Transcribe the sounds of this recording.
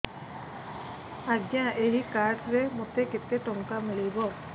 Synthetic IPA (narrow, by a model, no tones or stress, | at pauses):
aɡjãʔeɦikaɾɖɾemot̪eket̪eʈɔŋkamiɭibɔ